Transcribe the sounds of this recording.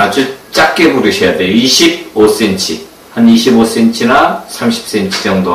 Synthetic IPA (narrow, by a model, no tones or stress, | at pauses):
ad͡ʑut͡ɕ͈ak͈ebuɾɯɕʰʌjadejoiɕʰib̚os͈ent͡ɕʰḭ | haniɕʰibos͈ent͡ɕʰinasʰamɕʰi̥p̚s͈ent͡ɕʰi̥d͡ʑʌŋdo